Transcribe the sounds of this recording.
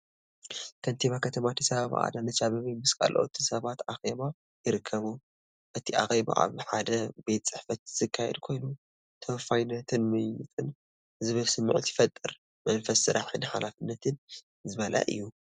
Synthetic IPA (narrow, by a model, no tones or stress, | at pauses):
kʰɐnt̪ʰiβakʰɐt̪ʰɐmat̪ʰisɐβaβ̰ʔa̰d̪anɐt͡ʃaβɐβimɨskʼa̰lʔo̰ʔo̰t̪ʰisɐβat̪axeβa | jɪɾɨkʰːɐβu | ʔɨt̪ʰiʔa̰xeβa̰ʔa̰βħad̪ɐbe̞t̪t͡sʼɨħfɐt̪z̥ɨkʰːajɛ̰d̪kʰo̞jnu | t̪ʰɐwfajnːɐt̪ʰɨnmɨjit͡s̪ʼɨn | zɨβɨlsɨmːʕut̪jifɐt̪ʼːɨɾ | mɐnfɐsːɨɾʔaħɨnħalafɨnːɐt̪ʰɨn | zɨβɐlʔa̰ʔɨ̰jːu